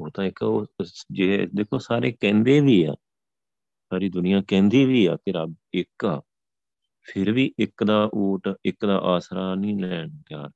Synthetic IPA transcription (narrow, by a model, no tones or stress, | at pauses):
ɦoːt̪ãːɪkːoːd͡ʒeːd̪eːkʰːoːsaːɾeːkɛ̃ːnd̪eːʋiːa̰ː | saːɾiːd̪ʊnɪjãːkɛ̃ːnd̪iːʋiːaːp̪ɪɾəbɪkaː | pʰɪɾʋiːʔɪkd̪aːʔoːʈɪkd̪a̰ːʔaːsɾaːnĩːlɛːɳt̪ɪjaːɾ